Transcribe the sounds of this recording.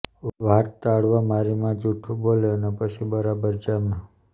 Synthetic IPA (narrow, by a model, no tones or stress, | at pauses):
ʋaɾt̪t̪aɽʋãmaɾimãd͡ʒuʈʰuboloənepət͡ʃʰibəɾabəɾd͡ʒamã